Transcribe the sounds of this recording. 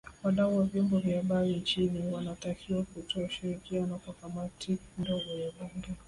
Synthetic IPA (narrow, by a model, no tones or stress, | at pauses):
waɗauwavjɔmbɔvjiahaɓaɾint͡ʃiniwanatakʰiwakutʰɔauʃiɾikianɔkwakamatʰindɔɡɔjaɓuŋɡɛ